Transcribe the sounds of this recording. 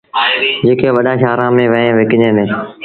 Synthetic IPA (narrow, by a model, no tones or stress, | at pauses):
d͡ʑeːkʰeːʋɐɗãʃaːɾãmẽʋɐɦẽʋekɪɲẽːnẽ